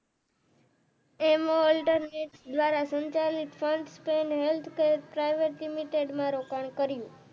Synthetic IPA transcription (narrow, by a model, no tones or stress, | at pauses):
emõɔlʈəɾneʈsd̪ʋaɾasəɲt͡ʃalikfʰəɳɖspeɳɖɦelt̪ʰkeɾpɾajʋeʈlimiʈeɖmãɾokaɳkəɾijũ